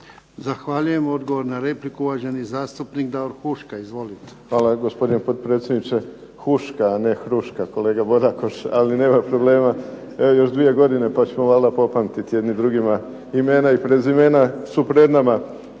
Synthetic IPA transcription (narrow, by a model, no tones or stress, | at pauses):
zaxʋaʎujemo̞d̪ɡoʋoɾnaɾeplikuuʋaʒenizaːst̪upnikd̪aoɾxuʃkaizʋo̞lit̪e̥xʋaːlaɡo̞spo̞d̪inepo̞d̪pɾet̪sʲjed̪nit͡ʃe̞ | xuʃkaːne̞xɾuʃkako̞le̞ːɡabo̞d̪akoʃaline̞ːmapɾo̞ble̞ːma | eojo̞ʃd̪ʋije̞ɡo̞d̪ine̞pat͡ɕemoʋaːld̪apo̞pant̪it̪ijed̪nid̪ɾuɡima | ime̞ːnaipɾe̞zime̞ːnasupɾe̞d̪nama